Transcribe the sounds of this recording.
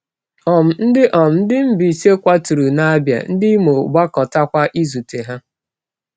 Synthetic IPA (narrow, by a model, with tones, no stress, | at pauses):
ɔ˨m̩˨n̩˦dɪ˦ʔɔ˨m̩˨n̩˦dɪ˦m̩˦bi˨se˦kʷa˦tu˨ɾu˨na˦bja̰˨n̩˦dɪ˦mo˨ɡ͡ba˦kɔ˨ta˦kʷa˦ʔi˦zu˨te˨ɦa˦